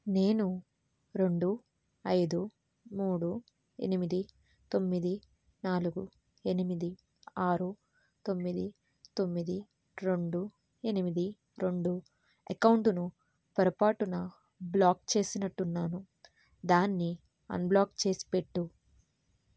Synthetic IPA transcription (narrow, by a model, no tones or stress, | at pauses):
ne̞ːnu | ɾe̞ɳɖu | ɐjd̪u | muːɽu | e̞̰nimid̪i | t̪o̞mːid̪i | naːluɡu | e̞nimid̪i | aːɾu | t̪o̞mːid̪i | t̪o̞mːid̪i | ɾeɳɖu | e̞nimid̪i | ɾe̞ɳɖu | ɐ̰kɐwɳʈunu | pɐɾɐpaːʈunɐ | blaːk̚t͡ʃe̞ːsinɐʈːunːaːnu | d̪aːnːi | ɐ̰nblaːkt͡ʃe̞ːsi̥pe̞ʈːu